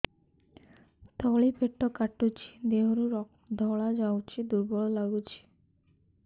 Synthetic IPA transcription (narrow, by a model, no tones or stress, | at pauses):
t̪ɔɭipeʈːɔkaʈːut͡ɕʰi̥d̪eɦoɾuɾɔ | d̪ʱɔɭad͡ʑawt͡ɕʰid̪uɾbɔɭɔlaɡut͡ɕʰi̥